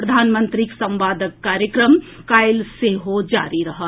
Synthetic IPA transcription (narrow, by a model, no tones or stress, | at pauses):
pɾəd̪ʱaːnmə̃nt̪ɾiksɐ̃mʋaːd̪ʱəkːaːɾjəkɾəm | kaːɪlseɦod͡ʒa̰ːɾiɾɐɦət̪